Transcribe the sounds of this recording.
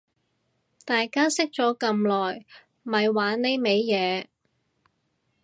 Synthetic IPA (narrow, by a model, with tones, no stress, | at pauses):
t̪aː˨jkaː˥sɪ˥k̚t͡ʃɔː˨˥kɐ˧mlɔː˨˩j | mɐ˨jwaː˨˥nne˥jme˨˧jːɛː˨˧